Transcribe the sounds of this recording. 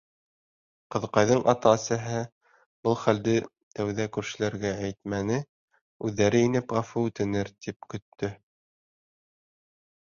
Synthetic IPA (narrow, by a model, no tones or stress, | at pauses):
qɤ̆ðqɑjðɤɴʔɑt̪ɑsæɦæ | b̥ɤlˠχæld̪ɘ | t̪æwðækʉɾʃɘ̆læɾɡææjt̪̚mænɘ | ʉðːæɾɘinɘpʁɑfuʉt̪ɘ̆nɘɾt̪ip̚kɵ̆t̪ʰːɵ